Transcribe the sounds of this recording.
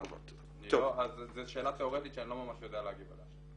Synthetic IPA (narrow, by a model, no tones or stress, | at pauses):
va̰t̪ | nitooazzeʃe̞ːlat̪eoʁet̪it̪ʃeanilomamaʃjod̪ealeaɡiba̰la